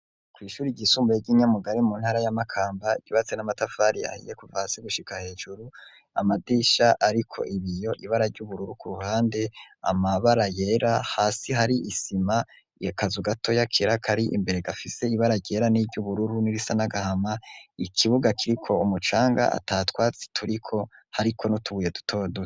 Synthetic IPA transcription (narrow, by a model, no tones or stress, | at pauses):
kwiːʃuːɾiɟisuːmbujeɟiɲamuɡaɾimuːnhaːɾajamakʰaːmbaḭɟ̥uβat͡se̞namatafaɾia̰hḭjekuvahasiɡuʃikahe̞ːʒuɾu | a̰madiːʃaʔaɾikʰo̞̰ʔiβijo̞ʔiβaɾaɾɟuβuɾuɾukuɾuhaːnde̞a̰maβaɾaje̞ːɾahaːsiɦaɾiʔisima | jakazuɡatʰo̞jakʰeɾakʰaɾiʔḭmbe̞ɾe̞ɡafise̞iβaɾaɾɟe̞ːɾanivɟuβuɾuɾuniɾisanaɡahamaikʰiβuɡakiɾikʰo̞umut͡ʃaːŋɡa̰a̰tatwaːt͡si̥tʰuɾikʰo̞haɾikʰo̞notuɡuːje̞du̥tʰodu